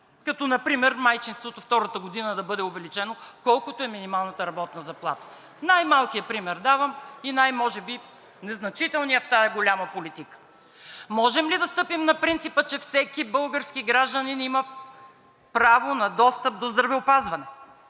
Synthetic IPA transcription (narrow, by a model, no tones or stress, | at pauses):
kɐt̪ɔnɐpɾimɛɾmajt͡ʃinst̪vot̪oft̪ɔɾət̪əɡod̪inəd̪ɐbɤd̪ɛʊvɛlit͡ʃɛnokɔlˠkʊt̪oɛminimalˠnɐt̪əɾɐbɔt̪nɐzɐplˠa̰t̪ə̥ | najmalˠkijəpɾimɛɾd̪avəminajmɔʒɛbi | nɛznɐt͡ʃit̪ɛlˠnijəft̪aɛɡolʲaməpolit̪ikə̥ | mɔʒɛmlid̪ɐst̪ɤpimnɐpɾint̪sipət͡ʃɛfsɛkibɤlˠɡəɾskiɡɾaʒd̪əninimɐ | pɾavonɐd̪ɔst̪əp̚d̪ozd̪ɾɐvɛʊpazvɐnɛ